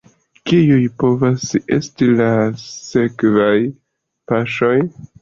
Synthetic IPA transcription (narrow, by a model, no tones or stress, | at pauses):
kijujpo̞vasḛstilase̞kvaj | paʃo̞j